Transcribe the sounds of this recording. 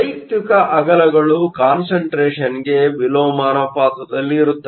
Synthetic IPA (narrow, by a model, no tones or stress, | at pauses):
ɐjt̪jikɐʔɐɡɐlɐɡɐɭukaːnsɐɳʈɾeːʂɐniɡe̞ʋiloːmaːnɐpaːt̪ɐd̪ɐlːiːɾut̪ːɐ